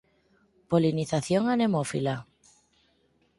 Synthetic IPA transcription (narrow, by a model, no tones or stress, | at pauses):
poliniθaθjoŋanemofila